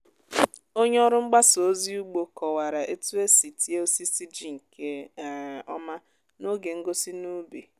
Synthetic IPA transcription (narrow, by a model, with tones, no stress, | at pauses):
o˦ɲe˦ɔ˦ɾʊ˦ŋ͡m̩˦ɡ͡ba˦so˨˦zi˦u˦ɡ͡bo˨kɔ˨wa˨ɾa˨ʔe˦tu˦e˦si˨ti˦e˦o˦si˦si˦d͡ʒi˦˨ŋ̩˨ke˦˨ | ɔ˦ma˦ | no˦ɡe˨ŋ̩˦ɡo˦si˦nu˦bi˨